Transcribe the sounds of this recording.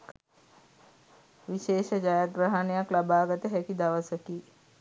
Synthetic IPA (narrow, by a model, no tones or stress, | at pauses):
ʋiʃeːʃəd͡ʒajaɡɾəɦanejaklabaːɡət̪əɦɛkid̪aʋəsəki